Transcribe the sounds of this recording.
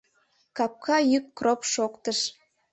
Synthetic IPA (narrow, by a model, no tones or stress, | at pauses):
kɑp̚kʰɑjykːropʃokt̪əʃ